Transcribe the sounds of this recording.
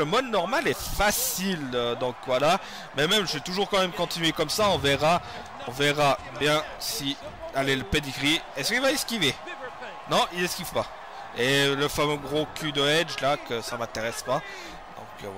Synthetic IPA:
əmɔd̪nɔʁmalɛfasilød̪ɑ̃kwala | mɛmɛmʒəvet̪uʒuʁkɑ̃mɛmkɔ̃t̪inɥekɔmsaɔ̃vɛʁa | ɔ̰̃vɛʁa | bjɛ̃sialɛləped̪ikʁiɛskivaiskʲive | nɔ̃ʔizɛskʲivpa | eləfamøɡʁokʰʲyd̪əɛd͡ʒlakəsamɛ̃t̪eʁɛspa | d̪̥ɔ̰̃kə̰v

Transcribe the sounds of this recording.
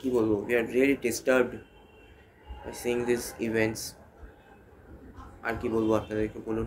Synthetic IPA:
kiboːloʋiaɾɾiəliɖɪsʈəɾb̚ɖ | baɪsiːɪ̃ŋd̪isɪʋɛ̃ɳʈs | a̰ɾkiboːlɡoaːpnad̪əɾekeboːlo

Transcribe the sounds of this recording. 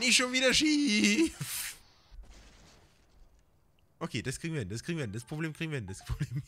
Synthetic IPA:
nɪʃonviːdɐʃi | f | ʔokʰeːd̥askʰʁiːɡŋ̩vindaskʰʁiːɡŋvindaspʁ̥obleːmkʁ̥iɡŋvindaspʰʁobleːm

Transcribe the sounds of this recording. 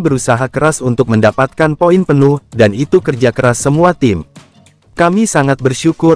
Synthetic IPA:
bəɾusaɦakəɾasunt̪ʊk̚məndapat̪̚kanpoinpənʊhdanit̪ukərd͡ʒakəɾasːəmuat̪ɪm | kamisaŋat̪̚bərʃukʊ

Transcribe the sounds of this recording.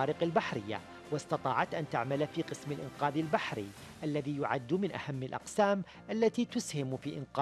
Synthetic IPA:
aːɾɪqalbaħɾɪjːa̰ | wɪst̪ɑt̪ˤɑːʕɑt̪ʔant̪aʕmalfiːqɨsmɪlʔɪnqɑːðɪlbaħɾḭ | ʔalːaðiːjʊʕad̪ːmɪnʔa̰hamːɪlʔɑ̰qsaːm | ʔalːat̪iːt̪ʊshɪmfiːʔɪnqɑː

